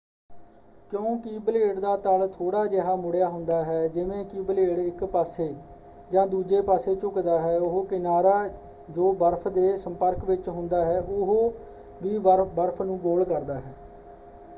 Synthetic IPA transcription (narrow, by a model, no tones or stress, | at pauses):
kjõːkiːbəleːɽd̪aːt̪əlt̪ʰoːɽaːd͡ʒəɦaːmʊɽjaːɦʊ̃nd̪aːɦɛːd͡ʒɪʋẽːkiːbəleːɽɪkpaːseː | d͡ʒãːd̪uːd͡ʒeːpaːseːt͡ʃʊkd̪aːɦɛːʊɦoːkɪnaːɾaː | d͡ʒoːbəɾpʰd̪eːsəmpəɾkʋɪt͡ʃɦʊ̃nd̪aːɦɛːʔʊɦoː | ʋiːbəɾpʰnũːɡoːlkəɾd̪aːɦɛː